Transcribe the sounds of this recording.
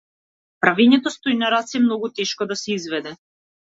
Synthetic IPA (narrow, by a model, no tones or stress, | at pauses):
pɾavɛɲɛt̪ɔst̪ojnaɾat̪sɛmnɔɡut̪ɛʃkɔd̪asɛizvɛd̪ɛ